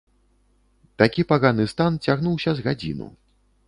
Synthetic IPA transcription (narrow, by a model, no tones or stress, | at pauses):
t̪akʲipaɣanɨst̪ant͡sʲaɣnuwsʲɐzɣad͡zʲḭnṵ